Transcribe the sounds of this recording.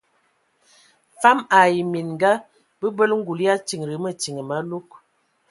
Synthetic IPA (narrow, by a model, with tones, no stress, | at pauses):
fa˦ma˨ji˨mi˨nŋ˨ɡa˦ | bə˦bə˦lŋ̩˦ɡu˨li˦a˦t͡ʃi˨ŋ˨ɾi˨˦mə˦t͡ʃi˨ŋə˨ma˨˦lu˦k̚